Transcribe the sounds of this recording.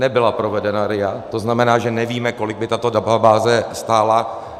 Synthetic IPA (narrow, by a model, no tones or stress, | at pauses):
nɛbɪlapɾo̞vɛdɛnaɾɪjat̪o̞znamɛnaːʒɛnɛviːmɛko̞lɪɡ̚bɪt̪at̪o̞dababaːzɛst̪aːla